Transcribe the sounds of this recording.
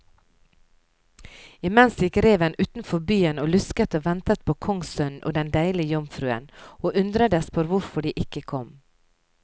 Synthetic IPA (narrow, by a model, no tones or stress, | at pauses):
ɪmɛnsjɪkɾeːʋənʔʉːt̪n̩fɔbyːənoːlʉskət̪oːʋɛnt̪ət̪̚pʰoːkʰɔŋsœnʔo̰ːd̪ɛnd̪æɪlɪəjɔmfɾʉːə̰noːʔʉnd̪ɾəd̪əspʰɔɾʋʊɾfɔɖiːʔɪkəkʰɔm